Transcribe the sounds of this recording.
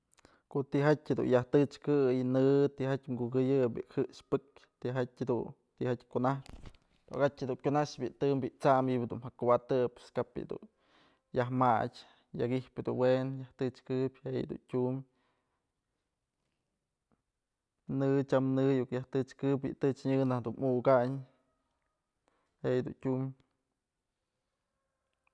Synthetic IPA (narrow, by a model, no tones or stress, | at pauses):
koʔt̪iɦatʲhed̪ṵnjaht̪ɨt͡ʃkɨjnɨt̪iɦatʲŋɡuɡɨjɨbḭhɨʔʃpɨkt̪iɦatʲhed̪ṵn | t̪iʔhatʲkunah | t̪oʔaɡatʲhed̪uŋkʲunaʃbiʔt̪ɨmbiʔt͡samjibd̪unɦakubat̪ɨpɨskapḭd̪ṵn | jaɦmat͡ʃʲ | jaɡihpɨd̪ṵnwenjaht̪ɨt͡ʃkɨpʲhejd̪ṵntʲum | nɨt͡ʃamnɨjukjaht̪ɨt͡ʃkɨpbḭʔt̪ɨt͡ʃɲɨnahd̪unʔukaɲ | hejd̪ṵntʲum